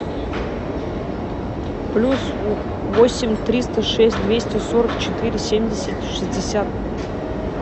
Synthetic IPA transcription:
plʲus | vosʲɪmʲt̪ɾʲist̪əʂɛsʲt̪̚ʲd̪vʲesʲtʲɪsoɾəkt͡ɕɪt̪ɨɾʲɪsʲemʲdʲɪsʲɪtʲʂɨzʲdʲɪsʲat̪

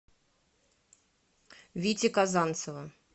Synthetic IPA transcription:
vʲitʲɪkazant̪səvə

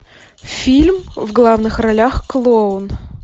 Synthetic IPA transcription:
fʲilʲmvɡlˠavnɨxrɐlʲaxklˠoʊn

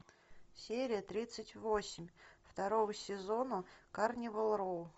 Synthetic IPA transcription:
sʲeɾʲɪjət̪ɾʲit̪sɨtʲvosʲɪmʲft̪ɐɾovəsʲɪzo̞nəkarnʲɪvəlˠɾolˠ

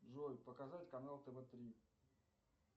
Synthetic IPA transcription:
ʐojʲpəkɐzatʲkɐnalˠt̪əvɛt̪ɾʲi

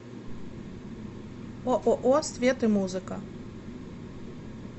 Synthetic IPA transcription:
ɔʔɔʔɔsʲvʲet̪ɨmuzɨkɐ

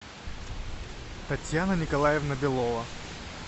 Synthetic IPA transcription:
t̪ɐtʲjanənʲɪkɐlˠajɛvnɐbʲɪlˠɔvɐ

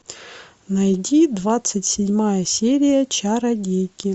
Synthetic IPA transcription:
nɐjdʲid̪vat̪sɨtʲsʲɪdʲmajəsʲeɾʲɪjət͡ɕaɾɐɡʲejkʲɪ

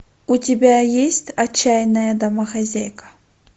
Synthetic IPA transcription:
ʊtʲɪbʲajesʲtʲɐt͡ɕːajnəjəd̪ɐmɐxɐzʲajkə̥

